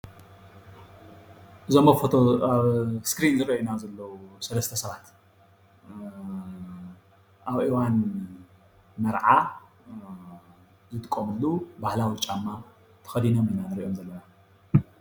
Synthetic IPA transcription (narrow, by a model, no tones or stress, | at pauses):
ʔɨzomɐfot̪ʰoaβskɾinzɨɾɐʔunazɐlːɐwusɐlɐst̪ʰɐsɐβat̪ | ʔaβʔiwan | mɐɾʕa | zɨt̪ʼɨkʼːomɨlːubahlawit͡ʃʼamːa | t̪ʰɐ̥xɐd̪inominanɨɾiʔo̞mzɐlːɐna